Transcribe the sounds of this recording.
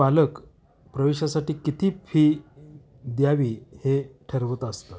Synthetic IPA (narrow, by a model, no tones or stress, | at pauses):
alək | pɾəʋeɕasaʈiːkit̪ʰiːfʰiː | d̪jaʋiːheʈʰəɾʋət̪əst̪ə